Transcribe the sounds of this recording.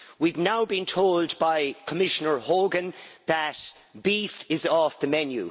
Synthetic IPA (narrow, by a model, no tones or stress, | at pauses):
wivnaʊbĩntʰoʊldbaɪkʰəmɪʃənə˞hoːɡə̃nðət | b̥iθɪzɔfðəmɛnjʉ̰